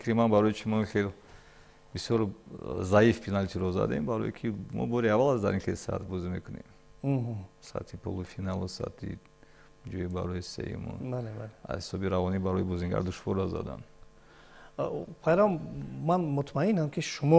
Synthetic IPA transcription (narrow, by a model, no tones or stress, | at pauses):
fikʰɾimanbaɾɔjit͡ʃʰimɔχel | bisjɔɾzaifpʰinalt̪ʰiɾɔza̰d̪aimbaɾɔ̰jikʰimɔ̰bɔɾiavalazd̪a̰ɾinxelsa̰t̪bɔzimekʰunḛm | ɦsa̰t̪ʰipʰo̰lˠufinalusa̰t̪ʰḭ | d͡ʒɔjibaɾɔjisḛjṵmṵbalebalea̰hisɔbiɾavɔnibaɾɔjbɔziŋɡa̰ɾd̪uʃvɔɾaza̰d̪a̰n | pʰaɾammanmut̪ʰmainamkʰiʃumɔ